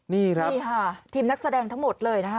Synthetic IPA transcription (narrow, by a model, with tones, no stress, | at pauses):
niː˥˩kɾaː˦˥˩kʰa˥˩t̪ʰiː˧mna˦˥k̚sa˧dɛː˧ŋt̪ʰa˦˥ŋmo˨˩t̪̚lɤː˧jna˦˥kʰa˦